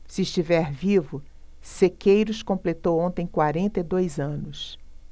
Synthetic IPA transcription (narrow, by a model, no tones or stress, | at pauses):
sɪːʃt͡ʃivɛɾvivʊ | sekejɾʊskõmplet̪owõnt̪ẽj̃kwaɾẽnt̪ɐid̪ojzɐ̃nʊs